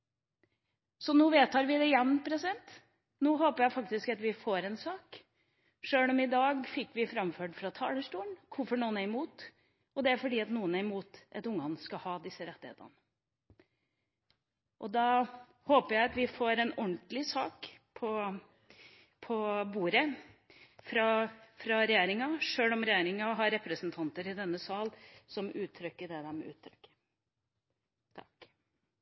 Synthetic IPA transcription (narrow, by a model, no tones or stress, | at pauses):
sɔnuːʋeːt̪ʰɑːɾʋɪd̪ɛɪjɛnːpʰɾɛsɪd̪ɛnt̪ | nuːɦoːpəjæɪfɑk̚t̪ɪskɑt̪ʋɪfoːɾɛnsɑːk | ʂøːlɔmɪd̪ɑːɡfɪkːʋɪfɾɑmføːɖfɾɑt̪ʰɑ̰ːləʂʈuːənkʰʊɾfɔɳuːənæɾɪmuːt̪ | ɔd̪ɛæɾfɔɖiːɑt̪nuːənæɾɪmuːt̪ʔɛt̪ʊŋːɑnskɑhɑːd̪ɪsːəɾɛt̪ːɪhḛːt̪ə̰nə | ʔɔd̪ɑ | hoːpəjæɪɑt̪ʋɪfoːɾɛnɔɳt̪lɪsɑːkpʰɔ | pʰɔbuːɾə | fɾɑfɾɑɾɛjeːɾɪŋɑʂøːlɔmɾɛjeːɾɪŋɑɦɑɾɛpɾəsnt̪ʰɑnt̪əɾɪd̪ɛnːəsɑːlsɔmʉːt̪ʰːɾʏkːəɖɛd̪æɾmɛ̰ʉ̰ːt̪ʰːɾʏkːə̥ | t̪ʰɑ̰k